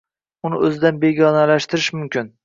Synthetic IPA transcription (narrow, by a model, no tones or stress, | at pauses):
ʊnɪʔɵzɪd̪anbe̞ɡʲɒnalaʃt̪ɪɾɪʃmʊmkʲɪn